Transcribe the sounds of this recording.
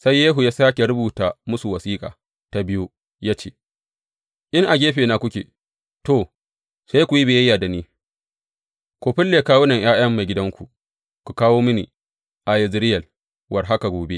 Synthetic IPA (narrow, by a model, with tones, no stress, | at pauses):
sa˦jːeː˦ɦu˨jaː˦saː˦kʲe˨ɾʊ˦buː˨ta˨mʊ˦su˨wɐ˨siː˦kʼa̰ː˨ | ta˨bɪ˦ju˦ | jaː˦t͡ʃeː˦ | ʔɪ˦ŋʔa˨ɡʲeː˦ɸeː˨na˨kʷʊ˦kʲḛ˨ | to˨ | sa˦jkʷu˨ji˦beː˨jɐ˦jːaː˨da˨niː˦ | kʷoː˨ɸɪ˦lːe˨kaː˦wo˦nɐ˨ŋj̰aː˦j̰ɐ˦mːa˨ɡʲɪ˦dɐ˦ŋkʷu˨ | kʷu˨kaː˦woː˦mɪ˦nḭ˨ | ʔa˨jɪ˨zɪ˦ɾɪ˦jɐ˨l | wɐ˨rɦa˦ka˨ɡʷoː˨be˦ʔ